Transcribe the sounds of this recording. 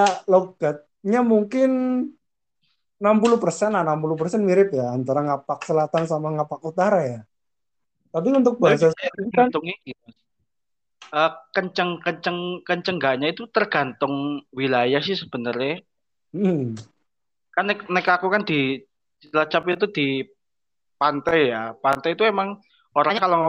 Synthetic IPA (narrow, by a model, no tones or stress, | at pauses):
aloɡ̥at̪̚ɲamuŋkɪn | nampuluhpərsɛnanampulupərsɛnmiɾɪpjaːnt̪aɾaŋapak̚səlat̪ansamaŋapak̚ut̪aɾaja | t̪ap̬iunt̪ʊk̚basasɡ̥aat̪ʊŋiɡi | ʔəkəɲt͡ʃəŋkəɲt͡ʃəŋkəɲt͡ʃəŋɡaɲait̪ut̪ərɡ̥a̤nt̪ʊŋwilajahsɪhsəb̥ənərɪ | m̩ | kanɪk̚nɛkakukand̪̥i | lat͡ʃapit̪̬ud̪̥i | pant̪ajjapant̪ajit̪uemaŋ | oɾaɲakalo